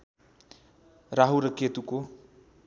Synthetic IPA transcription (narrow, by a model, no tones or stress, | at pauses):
raɦuɾʌket̪uko